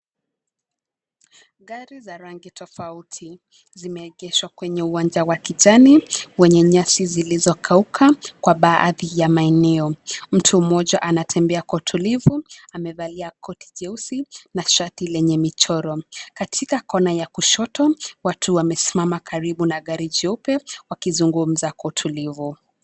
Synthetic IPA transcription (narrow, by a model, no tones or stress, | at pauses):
ɠaɾizaɾaŋɡitʰɔfautʰi | zimɛːɠɛʃwakwɛɲɛuwand͡ʒawakiʄaniwɛɲɛɲasizilizɔkʰaukʰakwaɓaːʔðijamaɛnɛɔm̩tʰumɔʄaʔanatʰɛmbɛakɔutʰulivuamɛvaliakʰɔtʰi̥ʄɛusinaʃatilɛɲɛmit͡ʃɔɾɔkatʰikakɔnajakuʃɔtɔwatʰuwamɛsi̥mamakʰaɾiɓunaɠaɾid͡ʒɔpɛwakizuŋɡum̩zakwɔutʰulivu